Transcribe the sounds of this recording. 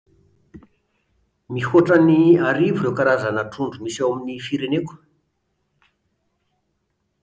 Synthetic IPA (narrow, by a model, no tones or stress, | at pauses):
mihoʈ͡ʂəniaɾivurewkaɾazanəʈ͡ʂuɳɖ͡ʐumisawaminifiɾenek